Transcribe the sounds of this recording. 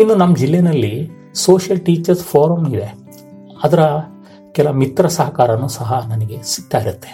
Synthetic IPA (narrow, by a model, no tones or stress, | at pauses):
inːunɐmːɐd͡ʒilːenɐlːi | soːʃjɐlʈiːt͡ʃɐɾspʰoːɾɐmid̪e̞ | ɐd̪ɐɾɐ | kɛlɐʋɐmit̪ɾɐsɐɦɐkaːɾɐnːuːsɐɦɐnɐniɡe̞si̥ɡ̚t̪aːjiɾut̪ːe̞̥